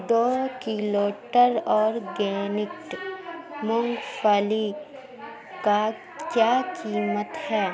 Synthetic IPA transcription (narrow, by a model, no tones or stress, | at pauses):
d̪oːkiloːʈəɾɔːɾɡeːnɪk̚ʈ | mʊ̃ŋɡfʰali | ka | kjaːkiːmət̪hɛː